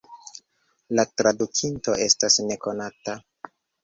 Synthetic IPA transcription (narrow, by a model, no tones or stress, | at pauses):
latɾadukʰinto̞ʔe̞stasne̞ko̞nata